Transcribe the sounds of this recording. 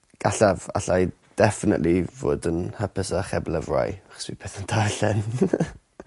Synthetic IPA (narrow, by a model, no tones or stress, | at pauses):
ɡ̥aɬava̰ɬaj | d̥ɛfɪnə̰ʔlivo̰ːdənhəpəsaχɛbləvra̰jaχɔ̥swipʰɛθəndʰarɬɛn